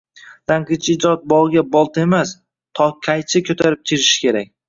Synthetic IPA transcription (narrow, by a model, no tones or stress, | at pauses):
laŋqɨt͡ʃʰɪd͡ʒɒt̪̚bɒʁɡʲabɒlˠt̪ʰe̞mas | t̪ʰɒkʲʰajt͡ʃʰɪkʲʰɵt̪ʰaɾɪp̚t̪ʲʰɪɾɪʃɪ̥kʲe̞ɾak̚ʲ